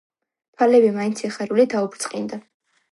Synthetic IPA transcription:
pʰalɛbimaint̪sʰiχɛɾulid̪aubɾt̪sʼqʼind̪a

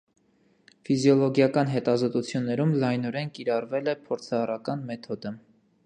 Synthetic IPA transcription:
fizjɔlɔɡjɑkɑnɦɛt̪ɑzɔt̪ut͡sʰjunːɛɾumlɑjnɔɾɛnkiɾɑrvɛlɛpʰɔɾt͡sʰɑːrɑkɑnmɛt̪ʰɔd̪ə

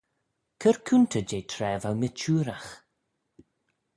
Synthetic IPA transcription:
kʰəɹkʰuntʰəd͡ʒejtʰɾɛːvawmɪt͡ʃuːɾax

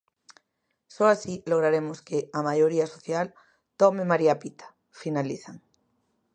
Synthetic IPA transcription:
soasiloɣ̞ɾaɾemoskeamajoɾiasoθjal | t̪omemaɾiapit̪ʰḁ | finaliθaŋ

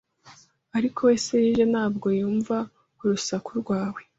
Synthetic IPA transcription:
aɾikʰo̞we̞ːse̞jiːʒe̞naːbɡo̞juːɱva | kuɾusakuɾɡwaːwe̞

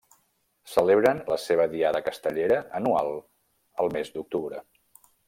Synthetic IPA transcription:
səleβɾənləseβ̞əðiaðəkəst̪əʎeɾəənua̰lˠ | əlˠmezd̪uk̚t̪uβɾə

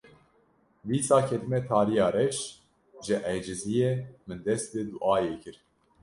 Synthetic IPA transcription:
viːsɑːkʰɛt̪ɨmɛt̪ʰɑːɾijɑːɾɛʃ | ʒɨʔɛjd͡ʒɪzijeːmɨnd̪ɛsd̪ɨd̪uʔɑːjeːkʰɨɾ

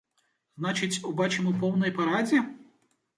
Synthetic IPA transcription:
znat͡ʃɪt͡sʲʊbat͡ʃɪmɔpɔwnɔjpɐɾad͡zʲi

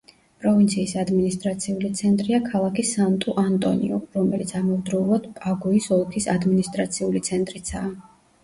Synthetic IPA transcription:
pʼɾɔvint̪sʰiːsad̪minist̪ʼɾat̪sʰiulit̪sʰɛnt̪ʼɾiakʰalˠakʰisant̪ʼuʔant̪ʼɔ̰nḭɔɾɔmɛlit̪sʰamɛvd̪ɾɛulˠad̪̥pʼaɡɔisɔlˠkʰisad̪minist̪ʼɾat̪sʰiulit̪sʰɛnt̪ʼɾit̪sʰaː

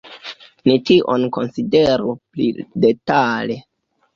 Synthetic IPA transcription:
nitiʔonko̞nside̞ɾuplḭde̞tale

